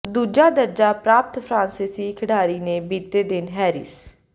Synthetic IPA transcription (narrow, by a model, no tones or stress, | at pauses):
d̪uːd͡ʒaːd̪əɾd͡ʒaːpɾaːp̚t̪pʰɾãːnsɪsiːkʰəɽaːɾiːneːbiːt̪eːd̪ɪnɦɛːɾɪ̰ːs